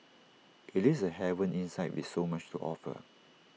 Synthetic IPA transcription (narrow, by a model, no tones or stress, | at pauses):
ʔitisəhɛvə̃nʔĩnsaɪt̚wḭθsomat͡ʃtuʔɔ̰fə̰